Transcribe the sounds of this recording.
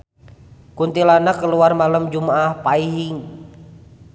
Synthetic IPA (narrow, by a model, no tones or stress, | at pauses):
kunt̪ilanakəluarmalamd͡ʒumaahpaiɦiŋ